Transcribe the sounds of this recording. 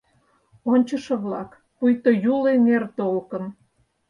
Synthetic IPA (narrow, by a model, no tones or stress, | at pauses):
onʲt͡ɕə̆ʃĕβlɑk | pujt̪ojulenert̪olkən